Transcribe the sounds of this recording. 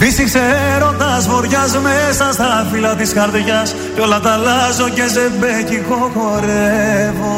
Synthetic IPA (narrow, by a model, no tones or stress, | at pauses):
visikseɾo̞nd̪ɐsfo̞ɾʝɐzmesɐst̪ɐfilɐt̪isxɐɾt̪oʝɐs | ceo̞lɐt̪ɐlɐzocezembeciko̞xoɾevo